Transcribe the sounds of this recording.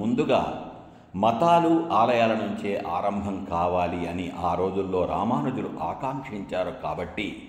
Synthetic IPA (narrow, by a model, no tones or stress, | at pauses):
mund̪uɡa̰ː | mɐt̪aːluaːlɐjaːlɐnuɲt͡ʃeːʔaːɾɐmbʱɐmkaːʋaːliɐniʔaːɾo̞ːd͡ʒulːo̞ːɾa̰ːmaːnud͡ʒ̪uluʔaːkaːŋkʂiɲt͡ʃaːɾukaːbɐʈːi